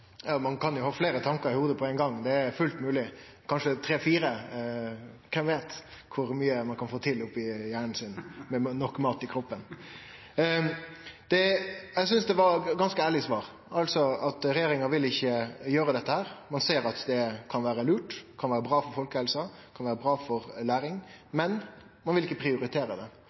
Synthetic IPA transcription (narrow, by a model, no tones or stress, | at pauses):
jɑːmɑnkʰɑnjʊhɑːfleːɾət̪ʰɑŋkəɾɪhuːd̪əpʰɔæɪŋɡɑŋːd̪ɛæɾfʉlt̪mʉːlɪ | kʰɑnʂət̪ʰɾeːfiːɾə | kʰɛnʋeːt̪ | kʰʊɾmyːəmɑnkʰɑnfoːt̪ʰɪlʊpːɪjæːɳɳ̩sɪnmɛnɔkːmɑːt̪ɪkʰɾɔpːən | d̪̥ɛɛsʏnsd̪ɛʋɑɾɡɑnskəæːɭɪsʋɑːɾ | ɑlsɔɑt̪ɾɛjeːɾɪŋɑʋɪlɪçːəjøːɾəd̪ɛt̪ːəhæːɾmɑnseːɾɑt̪d̪ɛkʰɑnʋæːɾəlʉːʈkʰɑnʋæːɾəbɾɑːfɔɾfɔlkəhɛlsɑ | kʰɑnʋæːɾəbɾɑːfɔɾlæːɾɪŋmɛn | mɑnʋɪlɪkːəpʰɾɪʊɾɪt̪ʰeːɾəd̪ɛ̰